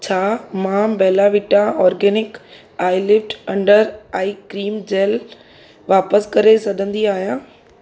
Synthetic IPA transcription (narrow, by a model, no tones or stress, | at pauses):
t͡ɕʰaːmãːbɛːlaʋɪʈãɔːɾɡɛːnɪk | aːɪlɪfʈɐ̃ɳɖəɾaːikɾiːmd͡ʑeːl | ʋaːpəskɐɾesɐɗʱə̃nd̪iaːɦijãː